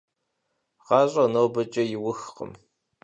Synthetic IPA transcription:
ʁɑːɕʼɐnoːbɐt͡ʃʼɐjɪwʊxqə̰m

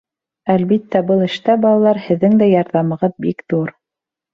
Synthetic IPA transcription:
ælβit̪ːæbɤlˠɘ̆ʃt̪æbɑlˠɑlˠɑɾhɘ̆ðːɘŋd̪æjɑɾðɑmɤ̆ʁɤðbikðuɾ

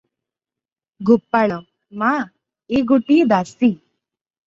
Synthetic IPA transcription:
ɡʱupːaɭə | ma | eɡuʈid̪asi

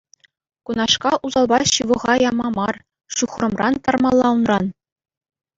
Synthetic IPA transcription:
kunɑʂkɑʔuzɑlˠbɑɕɯʋɤ̆ʁɑjɑmɑmɑr | ʂuχrɤ̆mrɑnt̪ɑrmɑlˠːɑunrɑn

